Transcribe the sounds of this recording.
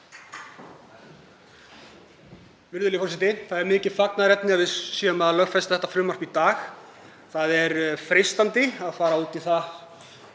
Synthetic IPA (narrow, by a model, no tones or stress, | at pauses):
vɪɾðʏlɪfɔrsɪt̪ɪθaðɛɾmɪːcɪð̥faknaðɾɛt̪nɪavɪðsjɛːʏmaðalœɣfɛst̪ḁθɛht̪afɾʏːmar̥pit̪aːx | θaðɛɾfɾest̪ant̪ɪaðfaːɾauːt̪iθa